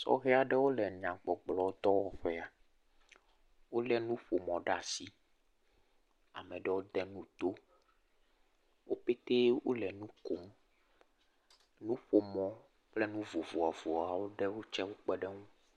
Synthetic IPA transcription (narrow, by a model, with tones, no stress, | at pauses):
sɔ̰˦ɣɛ˦a˨ɖɛ˦wo˦lɛ˨ɲ˨ã˨k͡pɔ˨ɡ͡blɔ˨wo˦t̪ɔ˦wɔ˨ɸɛ˦a˨ | wo˦lɛ˦nũ˦ɸo˨mɔ̃˨ɖa˨si˦ | a̰˨mɛ̃˨ɖɛ˦wo˦d̪ɛ˦nũ˦t̪o˦ | wo˦pe˦t̪e˦wo̰˦lɛ˨nũ˦ko˦m | nũ˦ɸo˨mɔ̃˨ | k͡plɛ˦nũ˦vo˨vo˨a˨vo˨a˨wo˦ɖɛ˦wo˦t͡ʃɛ˦wo˦k͡pɛ˦ɖɛ˦ŋũ˦